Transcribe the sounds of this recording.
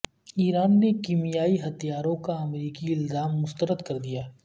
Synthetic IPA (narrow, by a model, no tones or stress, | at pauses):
iːɾaːnːekiːmijaːiɦɐt̪ijaːɾõkaɐmɾiːkiɪlzaːmːʊst̪əɾəd̪kɐɾd̪ijaː